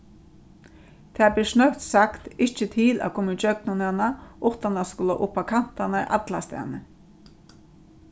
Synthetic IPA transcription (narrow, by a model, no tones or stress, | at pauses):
t̪ʰɛːblɪsnœht̪sakt̪ɪht͡ʃɪt̪ʰɪla̰kʰɔːmɪd͡ʒœknʊnanaʔʊht̪anaskʊla̰ʔʊpːakʰan̥t̪anaɾʔa̰t̪last̪ɛ̰ːnə